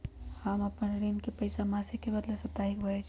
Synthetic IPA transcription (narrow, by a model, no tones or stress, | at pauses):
həməpənɾinkepəɪsamasikːebəd̪lasət̪aɦik̚bʱəɛt͡ʃʰ